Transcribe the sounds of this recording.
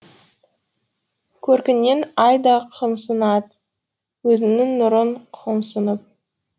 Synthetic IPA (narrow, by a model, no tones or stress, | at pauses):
kʲʰɵɾkʲɪnːenɑjd̪ɑqʰəmsənɑd̪ | wɵzɪnɪŋnʊɾəɴqʰəmsənəp̚